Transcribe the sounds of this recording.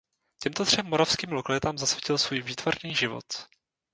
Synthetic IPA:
cɛmt̪ot̪r̝̥ɛmːoɾafskiːmlokalɪt̪aːmzasvʲɪcɪlsvuːjviːt̪varniːʒɪvo̞̰t̪

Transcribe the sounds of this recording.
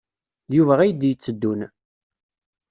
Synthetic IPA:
juvæʁæjəd̪jt͡sːəd̪ːun

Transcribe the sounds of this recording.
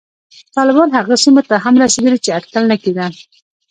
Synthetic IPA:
t̪ɑlɪbɑnɦaɣasimot̪aɦamɾɑsed̪əlit͡ʃeaʈkalnaked̪a

